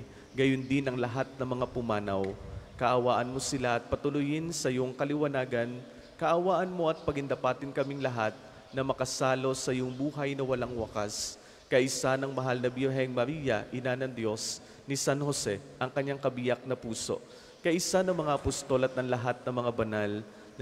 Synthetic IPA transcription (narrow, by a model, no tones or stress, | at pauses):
ɡɐjond̪ɪnɐŋlɐɦat̪̚nɐŋmɐŋapʊmaːnɐwkɐʔɐwaːʔɐnmo̞sɪlaʔɐt̪̚pɐt̪ʊlʊjɪnsɐjoŋkɐlɪwɐnaːɡɐn | kɐʔɐwaːʔɐnmo̞ʔɐt̪̚pɐɡɪnd̪ɐpaːt̪ɪnkɐmiŋlɐɦat̪̚ | nɐmɐkɐsaːlo̞sɐjʊŋbuːɦɐjnɐwɐlaŋwɐkas | kɐʔɪsanɐŋmɐɦalnɐbiɦɛŋmɐɾiːjɐ̰ʔɪnanɐŋd̪jo̞s | nɪsanho̞sɛʔɐŋkɐɲːaŋkɐbijɐk̚nɐpuːso̞̰ʔ | kɐʔɪsanɐŋmɐŋaʔɐpʊst̪o̞lɐt̪̚nɐŋlɐɦat̪̚nɐŋmɐŋabɐnal | n